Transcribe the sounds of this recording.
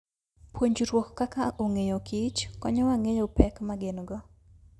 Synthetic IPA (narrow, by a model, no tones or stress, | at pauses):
pwoɲd͡ʒuɾwɔkkːakaʔoŋejokit͡ʃkɔ̰ɲɔwaŋejopɛkmaɡɪnɡɔ